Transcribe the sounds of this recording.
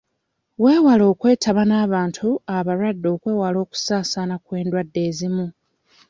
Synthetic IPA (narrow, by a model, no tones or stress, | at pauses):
we̞ːwalo̞ːkwe̞ːtʰaβanaːβaːntʰuaβaɾwadːo̞ːkwe̞ːwalo̞ːku̥saːsanakwe̞ːndwadːe̞ːzimu